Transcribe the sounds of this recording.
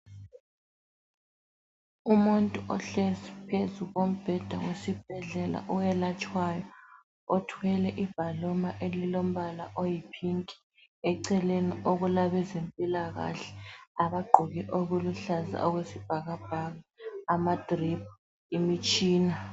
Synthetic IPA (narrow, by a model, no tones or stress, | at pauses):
umuntʼuʔɔɬɛsi̥pʰezuɣom̩b̥ʱɛd̥ʱaɣwesib̥̚ʱɛɮɛla̰ʔuwɛlat͡ʃʼwajɔ | otʰwɛlɛʔib̥ʱalɔmaʔelilom̩βalaʔojipʰiŋkʼi̥ | ɛǀɛlenioɣulaβɛzempʼilaɣa̰ɬɛ̥aβaɡ͡ǃʱuɣiʔoɣuluɬaza̰ʔɔɣwesib̥ʱaɣab̥ʱaɣaːmad̥ʱrip̚ʰ | imit͡ʃʼiːna